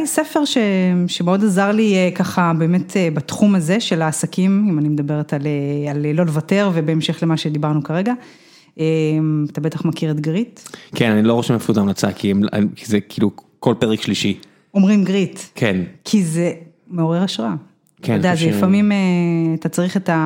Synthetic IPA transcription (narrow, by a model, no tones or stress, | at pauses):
ajsefe̞ʁʃe̞ʃemeo̞dazaʁliekaχabe̞ːme̞tʰebatχumazeʃe̞laːsakimimanime̞d̪abe̞ʁetaleallo̞levate̞ʁve̞be̞emʃe̞χlemaʃe̞d̪ibaʁnukaʁeɡa | ʔemat̪abe̞t̪aχmakiʁet̪ɡʁitkʰenaniloʁoʃemefuzamlat͡sa̰kʰiema̰kʰizekiːlu | ko̞lpeʁekʃliʃi | o̞mʁimɡʁitkʰenkʰize | meo̞ʁe̞ʁaʃʁaa | kodeazeifamimeatat͡saʁiχeta